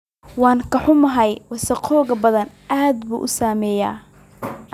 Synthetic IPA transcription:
wɑːŋkʰɐħʊmɐɦɐjwɑsɐqʰɔːɣɐbɐðɐn | ʔaːd̪bṵːʔʊsaːmɛːja̰ː

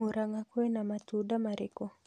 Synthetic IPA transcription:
oɾaŋakwɛnamatudamaɾɪko

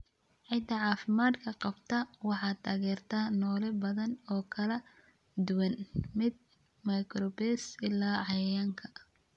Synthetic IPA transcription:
ʕɪd̪ɐʕɑːfɪmaːd̪kʰɐqɑbt̪ʰɐwɑħɑːt̪ʰaːɣɛːrt̪ʰanɔːlɛbɐðɐnɔːkʰɐlɐ | d̪ʊwɐnmɪd̪̚ | mɐjkɾɔbɛsɪlaːʕɑjjaːŋkʰɐ̥

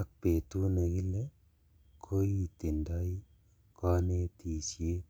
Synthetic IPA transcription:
ak̚pet̪uneɡile | kʰoit̪indai | kɔnet̪iːsje

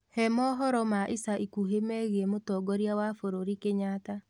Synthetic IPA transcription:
hɛmɔɦɔɾɔmaʔisaʔikuɦemɛɣiɛmotɔɡɔɾjawafoɾoɾikeɲaːta

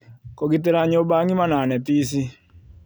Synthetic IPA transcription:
kɔɡit̪ɛɾaɲobaŋimananɛpis̬i

